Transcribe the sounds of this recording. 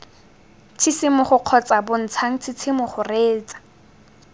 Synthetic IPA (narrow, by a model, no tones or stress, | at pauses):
t͡sʰisɪmʊχʊq͡χʰɔt͡sʼabʊn̩t͡sʰaŋ̩t͡sʰɪt͡sʰɪmʊχʊreːt͡sʼḁ